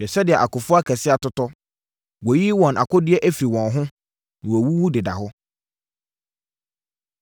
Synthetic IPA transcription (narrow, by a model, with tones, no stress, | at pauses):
ɛ˨sɛ˦dɪ˨ɛ˨ʔa˨kʊ˨fʊ˦a˦kʰɛ˨sɪ˦a˨tʊ˦tɔ˦ | wɔ˨ji˦wɔ̃˨na̰˨kʰʊ˦dɪ˦ɛ˦ʔæ˦fi˨wɔ̃˨nɦʊ̃˦ | ñ˨wwu˦wu˦dɪ˨da̰˨ɦʊ˦